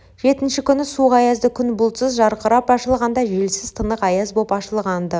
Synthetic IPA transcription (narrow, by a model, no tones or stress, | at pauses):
ʒ̥e̞t̪ɪnʃɪkʲʰʏnɪsuʁɑjɑzd̪əkʲʰʏnbʊlˠt̪səzʒɑɾqəɾɑpɑʃəlˠʁɑnd̪ɑʒe̞lsɪzt̪ʰənəqɑjɑzbopɑʃəlˠʁɑnd̪ə